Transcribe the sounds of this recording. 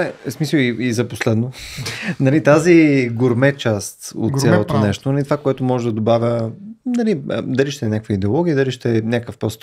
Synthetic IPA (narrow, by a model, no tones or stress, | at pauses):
ɛsmisəiizɐposlɛd̪nonɐlit̪aziɡʊɾmɛt͡ʃast̪o̰t̪sʲalˠot̪onɛʃt̪onɐlit̪ovakoɛt̪omɔʒɛd̪ɐd̪obavʲənɐlid̪ɐliʃt̪ɛnʲakəkvəid̪ɛolˠɔɡʲiəd̪ɐliʃt̪ɛnʲakəfpɾɔst̪